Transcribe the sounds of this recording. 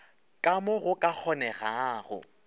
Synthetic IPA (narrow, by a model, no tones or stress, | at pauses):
kʼamʊɣʊkʼak͡xʰɔnɛɣaːɣʊ̰